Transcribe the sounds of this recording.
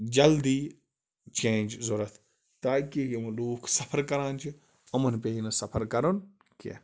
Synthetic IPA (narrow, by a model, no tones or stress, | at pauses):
d͡ʒɐld̪iː | t͡ʃẽːnʲd͡ʒzoɾɐt̪ʰ | t̪aːkiɦomɐloːkʰsɐpʰəɾkɐɾãːnt͡ʃʰi | ɐmɐnpeinɐsɐpʰəɾkɐɾon | kḛ